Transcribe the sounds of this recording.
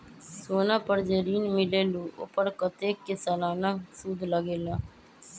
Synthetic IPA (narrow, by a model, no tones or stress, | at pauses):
soːnãːpəɾd͡ʒeɾiːnmɪleːluːʔʊ̰pəɾkət̪eːkɪsəlaːnaːsud̪ləɡeːlaː